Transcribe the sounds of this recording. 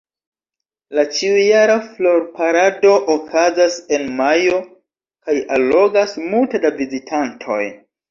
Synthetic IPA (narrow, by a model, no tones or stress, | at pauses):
lat͡ʃiujaɾaflo̞ɾpaɾado̞ʔokʰazase̞nmajo̞ | kajalːo̞ɡasmultedavizitʰantʰo̞̰j